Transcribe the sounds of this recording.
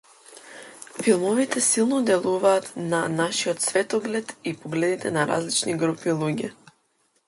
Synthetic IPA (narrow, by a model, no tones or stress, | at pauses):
filˠmɔvit̪ɛsilˠnɔd̪ɛlˠuvaːt̪nanaʃiɔt̪svɛt̪ɔɡlɛt̪ipɔɡlɛd̪it̪ɛnaɾa̰zlit͡ʃniɡɾupilˠuɟɛ